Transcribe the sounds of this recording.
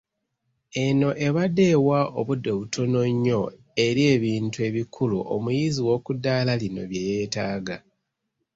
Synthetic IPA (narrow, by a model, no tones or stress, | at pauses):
e̞no̞ʔe̞βade̞waʔo̞βudːe̞βutʰo̞no̞ɲːo̞ | e̞ɾie̞ːβiːntue̞βikʰulṵʔo̰mujiːziwo̞kudːaːlalino̞̰βjeje̞ːtaːɡa